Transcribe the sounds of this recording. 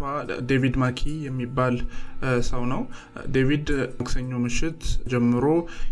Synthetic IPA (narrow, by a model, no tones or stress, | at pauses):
ad̪evid̪makʰijɛmːibːalsəwnəw | d̪evid̪ksəɲːomɨʃɪt̪d͡ʒɛmːɨɾo̞